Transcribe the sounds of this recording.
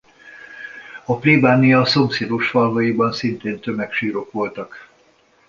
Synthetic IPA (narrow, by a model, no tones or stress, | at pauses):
ɒplibaːnijɒso̞mseːd̪oʃfɒlɦɒjibɒnsint̪eːnt̪ømɛkʃiːɾo̞kʋo̞lt̪ɒk